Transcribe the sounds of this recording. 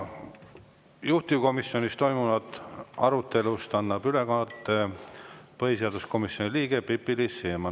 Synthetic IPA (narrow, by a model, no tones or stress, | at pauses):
juht̪iko̞miso̞nist̪o̞jmunɑd̪ɑɾut̪ːe̞lust̪ɑnːɑb̥ylekɑt̪ːˑe | pɤɦis̬eɑd̪usko̞misːjoniliːɡ̥epipːilisːeːmɑ